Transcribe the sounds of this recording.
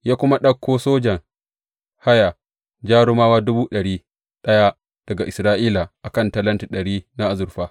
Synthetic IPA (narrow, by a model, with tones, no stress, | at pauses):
jaː˦kʷʊ˦ma˦ɗɐ˦kʰʷːoː˦soː˦d͡ʒɐ˨ŋ | ha˦ja˨ | d͡ʒaː˦ɽʊ˦maː˦waː˦dʊ˦buː˦ɗɐ˨ɽiː˦ | ɗɐ˦ja˦ | d̥ɐ˨ɡa˨ʔɪ˨sɾaː˦ʔiː˦la˨ʔa˨kɐ˦˨nta˦lɐ˦nti˨ɗɐ˨ɽiː˦na˦ʔa˨zʊ˨ɾɸaː˦